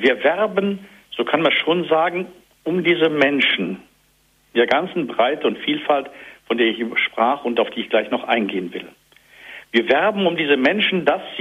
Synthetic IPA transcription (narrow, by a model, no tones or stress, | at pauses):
viːɐvɛʁbən | z̥oːkʰanmanʃoːnzaːɡŋ̩ | ʊmdiːzəmɛnʃn̩ | d̥eːɐɡant͡sn̩bʁaɪtəʊntfiːlfaltfɔndeːɐɪçʔbɐʃpʁ̥aːχʊntaʊfd̥iːɪçɡ̥laɪçnɔχʔaɪnɡeːənvɪl | viːɐvɛʁbn̩ʊmdiːzəmɛnʃn̩dasz̥